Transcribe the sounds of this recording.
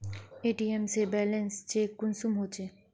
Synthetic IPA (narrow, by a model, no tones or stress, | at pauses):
eʈiemsebɛlenst͡ɕekːunsumɦot͡ɕʰe